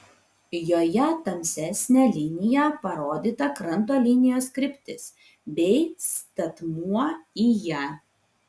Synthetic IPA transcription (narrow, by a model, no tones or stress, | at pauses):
joːjɛt̪ɐmʲsʲɛsʲnʲæːlʲɪnʲɪjæˑpɐɾoːd̪ʲiːt̪ɐkɾɐnt̪oːlʲɪnʲɪjoːskɾʲɪpʲt̪ʲɪs | bʲɛɪst̪ɐt̪muɔiːjæ